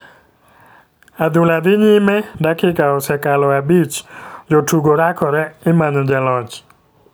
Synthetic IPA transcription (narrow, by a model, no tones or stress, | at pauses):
ad̪ʊlad̪ɪɲɪmɛdakɪkaɔsɛkalɔabit͡ʃd͡ʒɔtuɡoɾakʰɔɾɛɪmanɔd͡ʒalɔt͡ʃ